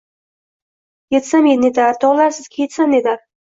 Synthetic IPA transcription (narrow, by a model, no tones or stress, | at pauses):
jet̪samened̪aɾt̪ʰɒʁlˠaɾsɪz̥kʲʰejet̪sand̪ed̪aɾ